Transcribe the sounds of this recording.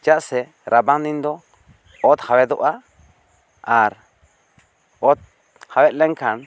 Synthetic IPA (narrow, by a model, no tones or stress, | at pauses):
t͡ʃaʔsɛ | ɾabaŋd̪ind̪ɔ | ɔt̪hawɛd̪ɔʔa | aɾ | ɔt̪̚ | hawɛt̪̚lɛŋkʰan